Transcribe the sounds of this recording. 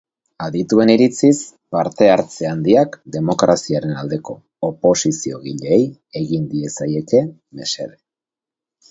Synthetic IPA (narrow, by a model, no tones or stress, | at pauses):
aðit̪ue̞niɾit͡sis | paɾt̪e̞aɾt͡se̞and̪iakd̪e̞mo̞kɾasiaɾe̞nald̪e̞ko̞ːpo̞sisio̞̰ɣiʎeːj | e̞ɣind̪ie̞saje̞ke̞ | me̞̰se̞̰βe